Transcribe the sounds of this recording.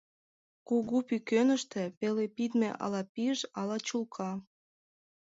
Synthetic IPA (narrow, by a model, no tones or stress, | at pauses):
kuɣupykønə̆ʃt̪ĕpelepid̪meʔɑ̰lɑpiʒɑlɑt͡ɕulˠkʰɑ